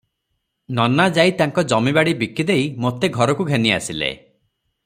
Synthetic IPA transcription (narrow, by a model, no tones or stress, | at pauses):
nɔnad͡ʒajt̪aŋkɔd͡ʒɔmibaɽibikid̪ejmot̪eɡʱɔɾɔkuɡʱenia̰silḛ